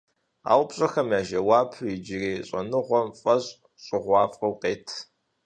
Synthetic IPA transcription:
a̰ːwpɕʼɐxɐmjaːʒɐwɑːpʰid͡ʒɪriːɕʼɐnɨʁʷɔmfʼɐɕʼ | ɕʼʊʁʷɑːfɐwqeːtʰ

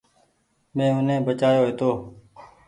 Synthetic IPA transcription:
mẽːʊnẽːbət͡ʃaːjoːɦeːt̪oː

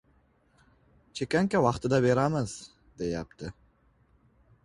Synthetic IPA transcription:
t͡ʃʰekaŋkawɑχt̪ɨd̪aβeɾaməz̥ | d̪̥ejɑ̰pt̪ə

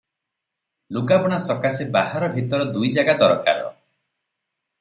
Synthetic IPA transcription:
lukabɔɽ̃asɔkasebahaɾɔbʱit̪ɔɾɔd̪ujd͡ʒaɡad̪ɔɾɔkʰa̰ɾɔ̰

